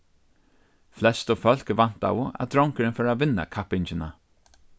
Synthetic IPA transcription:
flɛst̪ɔfœlkəvan̥t̪a̰wəa̰d̪ɾɔŋkəɹənfɔɹavɪnːa̰kʰapɪnt͡ʃəna̰

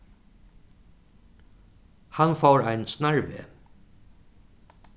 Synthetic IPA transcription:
hanfawɾajnst̪naɹvḛː

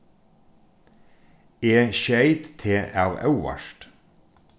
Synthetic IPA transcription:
eːʃæɪt̪t̪ʰeːʔɑːʋɑʉʋɑ̰ʃʈ

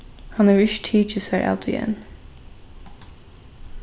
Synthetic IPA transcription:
hɑ̃nəɹɪʃtʰiːt͡ʃəshəɹʔa̰ʊt̪ʰɪ̰ɛ̰̃n

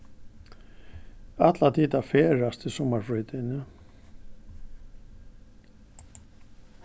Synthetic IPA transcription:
at̪lat̪ʰiːt̪afɛːɾast̪ɪsɔmaɾ̥fɾʏːt̪ɪnːʏ

